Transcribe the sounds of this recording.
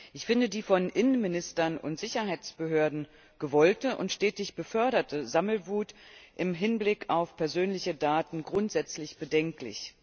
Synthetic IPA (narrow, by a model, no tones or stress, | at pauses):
ʔɪçfɪndədiːfɔnʔɪnənmɪnɪstɐnʊ̰ntz̥ɪçɐɦaɪt͡sb̥əɦøːɐdn̩ | ɡ̥əvɔltəʔʊ̰ntʃtɛːtɪçb̥əfœɐɾɐtəzaml̩vuːtʔɪmɦɪnblɪkʰaʊfpʰɛɐzøːnlɪçədaːtn̩ɡʁʊntz̥ɛt͡slɪçb̥ədɛŋklɪ̰ç